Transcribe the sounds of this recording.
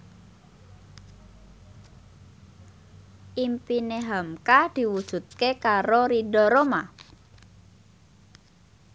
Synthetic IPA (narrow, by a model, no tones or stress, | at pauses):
ʔimpineɦamkad̪̥i̤wud̥ʒ̥ṳt̪̚kekaɾoɾiɖɔɾoma